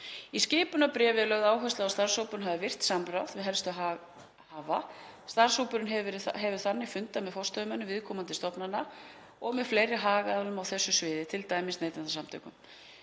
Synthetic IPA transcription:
iscɪːpʏnapɾɛːvɪlœɣðaːwɦœst̪laast̪ar̥sowpʏɾʏnɦavðɪvɪr̥t̪samɾawðvɪðɦɛlst̪ʏa | haːva | st̪ar̥sowpʏɾʏnɦɛɾɦɛvʏɾ̥θanːɪfʏnt̪amɛðfɔw̥st̪œvʏmɛnːʏvɪðkʰɔːmant̪ɪst̪ɔpnana | ɔɣmɛðflejɾɪɦaːɣaðalʏmawθɛsːʏsvɪːðɪt̪ʰɪlt̪aːjmɪsneːjt̪anθasamt̪ʰœ̰kʏm

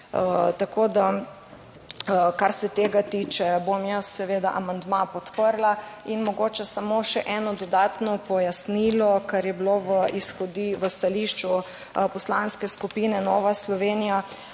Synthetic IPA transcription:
t̪akod̪a | kaɾsɛt̪eːɡat̪iːt͡ʃɛbomjəsːɛʋeːd̪aʔamand̪mapɔt̪pəɾlainmɔɡoːt͡ʃɛsamoʃɛʔɛnɔd̪ɔd̪at̪nɔpɔjasniːlɔkaɾjɛbiloʋəisxɔd̪iʋəst̪aliʃt͡ʃu | pɔslanskɛskupiːnɛnɔːʋaslɔʋeːnija

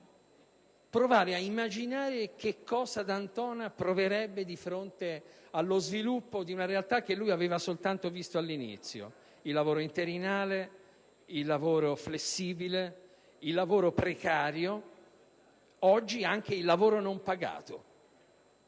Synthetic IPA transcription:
pɾovaːɾeaimːad͡ʒinaːɾek̟ekʰːɔːzad̪ant̪ɔːnapɾoveɾɛbːed̪ifɾont̪ealːozvilupːod̪iunaɾealt̪akːelːujaveːvasolt̪ant̪ovist̪oalːinḭt̪sːjo̰ | ilːavoːɾoint̪eɾinaːle | ilːavoːɾoflesːiːbile | ilːavoːɾopɾekaːɾjo | ɔd͡ʒːiaŋk̟eilːavoːɾonompaɡa̰ːt̪o

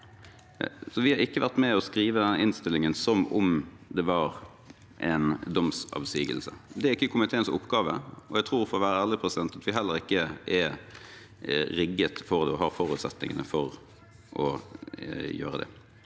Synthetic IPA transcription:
sɔʋɪhɑɾɪkːəʋæʁt̪mɛɔskɾiːʋəd̪ɛʔɪnst̪ɪlːɪŋənsɔmʊm | d̪ɛʋɑːʁ | ʔɛnd̪ɔmsɑ̰ʋsyːɡə̰lsə̰d̪ɛæɾɪkːəkʰʊmɪt̪ʰeːnsʊ̰pːɡɑːʋə̰ɔæɡt̪ʰʁuːɾfɔːʋæːɾəæːlɪpʰʁɛsɪd̪ɛnt̪ɑt̪ʋɪɦɛlːəɾɪkːəʔɛ | ɾɪɡːət̪fɔʁd̪ɛɔhɑːɾfɔʁʉːt̪sɛt̪nɪ̰ŋə̰nəfɔɾ | ʔɔ | jø̰ːɾəd̪ɛ̰

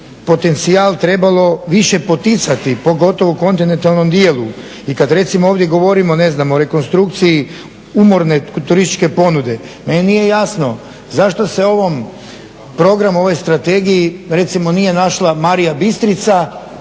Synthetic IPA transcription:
po̞t̪e̞nt̪siaːlˠt̪ɾe̞balˠo̞ʋiʃe̞po̞t̪it̪sat̪ipo̞ɡo̞t̪o̞ʋoko̞nt̪inent̪alno̞md̪jeːlˠu | ikad̪ɾe̞t̪simooːʋd̪je̞ɡo̞ʋo̞ɾimo̞ne̞znamoɾe̞ko̞nst̪ɾukt̪sii | umo̞ɾnet̪uɾist̪i̥t͡ʃke̞po̞nud̪e̞menenije̞jasno̞ | zaʃt̪o̞se̞o̞ʋom | pɾo̞ɡɾamo̞ʋo̞jst̪ɾat̪e̞ɡijiɾe̞t̪simo̞nije̞naʃlamaɾijabist̪ɾit̪sa

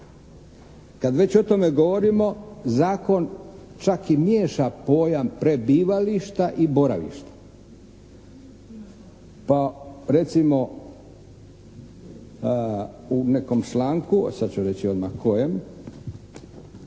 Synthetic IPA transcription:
kad̪ʋe̞t͡ɕo̞t̪o̞me̞ɡo̞ʋo̞ɾimo̞zaːko̞n | t͡ʃakimje̞ːʃapo̞ːjampɾebiːʋaliʃt̪aʔiboɾaʋḭʃt̪ḁ | paɾe̞t̪simo̞ | uneko̞mt͡ʃlaːŋkṵsad̪t͡ɕuɾe̞t͡ɕio̞d̪ma̰hkʰojem

